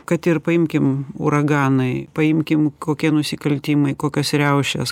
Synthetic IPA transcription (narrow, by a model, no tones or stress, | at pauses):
kɐt̪ɪɾpɐɪmʲkʲɪmṵɾɐɡɑːnɐɪpɐɪmʲkʲɪmkoːkʲiɛnʊsʲɪkɐlʲt̪ʲiːmɐɪkoːkʲosɾʲɛʊʃʲɛ̰s